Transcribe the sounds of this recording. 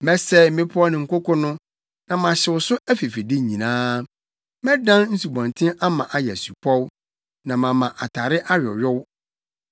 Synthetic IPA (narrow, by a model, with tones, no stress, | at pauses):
mɛ˦sɛ˦m̩˦mɪ̃˦pʰʊ˦ɔ˦nɪ̃˨ŋ̩˨kʊ˦kʰɔ˦nʊ̃˦ | nã˨mã˨ɕɪ˨wʊ˨sʊ˦æ˦fi˨fi˨dɪ˦˨ɲĩ˨nãː˦ | mɛ̃˦dã˦nn̩˦su˨bɔ̃˨ntʰɪ̃˦ʔa˦mã˨ʔa˨jɛ˨æ˨su˨pʰɔ˦w | nã˨mã˨mã˨ʔa˨tʰa˨ɾɪ˦ʔa˦ɥᶣɔ̰˨ɥᶣɔ˦w